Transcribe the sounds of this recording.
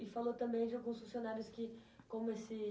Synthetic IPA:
ɪfalot̪ɐ̃mbẽj̃d͡ʒɪawɡũsfũsijonaɾjʊskɪkõmʊesɪ

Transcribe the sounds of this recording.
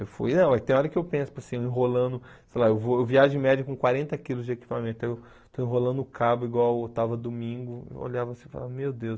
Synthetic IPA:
ewfṵjnɐ̃w̃at̪ẽj̃ɐ̃ɔɾɐkɪewpẽsʊ̥psĩeĩɦolɐ̃nd̪ʊsejlaewvoewviaʒ̃ẽmɛd͡ʒɐkõkwaɾẽnt̪ɐkilʊzd͡ʒɪeki̥pamẽt̪t̪ʊɛew | t̪oĩɦolɐ̃nd̪ʊʊkʰabʊiɡwawewt̪avɐd̪omĩŋɡʊɪ̰o̰ʎavɐsẽfa̰la̰vɐmewd̪ews

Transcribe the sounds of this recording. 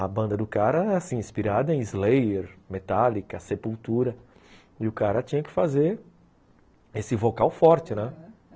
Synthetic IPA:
ɐbɐ̃nd̪ɐd̪ʊkaɾɐasĩĩspiɾad̪ɐẽj̃ɪzlejeɾmet̪alikɐsepuwt̪uɾɐ | ɪʊkaɾɐt͡ʃĩɲɐkɪ̥fazeɾ | esɪvokawfɔɾt͡ʃɪnɛ

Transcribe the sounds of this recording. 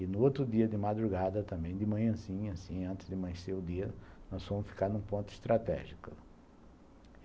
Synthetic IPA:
ɪnʊot̪ɾʊd̪iɐd̪ɪmad̪ɾuɡad̪ɐt̪ɐ̃mbẽj̃d̪ɪmɐ̃ɲɐ̃zĩɲʊasĩɐ̃nt̪ɪ̥zd̪ɪmɐ̃ɲseɾʊd̪iɐnɔsfõmʊsfi̥kaɾnũpõnt̪ʊɪst̪ɾat̪ɛ̰ʒikʊ

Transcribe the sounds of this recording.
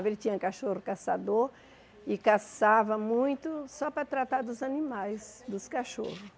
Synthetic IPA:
velɪt͡ʃ̪ĩɲɐ̃kaʃoɾʊkasad̪oɾ | ɪkasavɐmũj̃t̪ʊsɔpɾɐt̪ɾat̪aɾd̪ʊzɐnĩmajzd̪ʊskaʃo̰hʊ

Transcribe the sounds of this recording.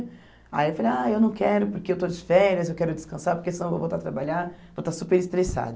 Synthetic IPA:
a̰jiewfaleaewnɐ̃w̃kɛɾʊpoɾkeewt̪od͡ʒɪfɛɾɐzewkɛɾʊd͡ʒɪskɐ̃saɾpoɾkesiñw̃vo̰vowt̪aɾt̪ɾabaʎaɾvot̪asupeɾist̪ɾesa̰d̪ʊ

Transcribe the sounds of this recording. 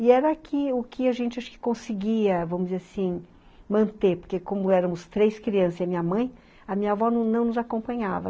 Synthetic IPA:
ɪɛɾɐkʰɪʊkʰɪaʒẽnt͡ʃɪaʃʊ̥kɪ̥kõsɪɡiɐvɐ̃mʊd͡ʒzeɾasĩ | mɐ̃nt̪eɾpoɾkekõmʊɛɾɐ̃mʊst̪ɾejskɾiɐ̃sɐziɐmĩɲɐmɐ̃j̃ | ɐmĩɲɐvɔñnɐ̃w̃nʊzakõpɐ̃ɲavɐ̰

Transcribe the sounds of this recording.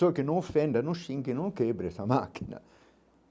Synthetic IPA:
okenːõŋfːɛnd̪anuʃiŋkinoŋkebɾesamakʰːina̰

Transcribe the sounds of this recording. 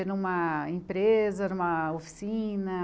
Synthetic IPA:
enũmɐẽpɾezɐnũmɐofi̥sĩnɐ

